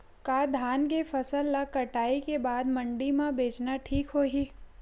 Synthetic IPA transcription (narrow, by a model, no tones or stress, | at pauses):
kaːd̪ʱaːnk̬efɐsəlːakɐʈaːikebaːd̪mɐ̃ɳɖimãbeːt͡ʃnaʈʰiːkɦoːɦiː